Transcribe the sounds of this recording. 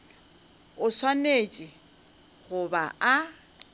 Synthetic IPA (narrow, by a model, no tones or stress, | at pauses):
ʊswaneːt͡ʃʼɪ | hʊbaa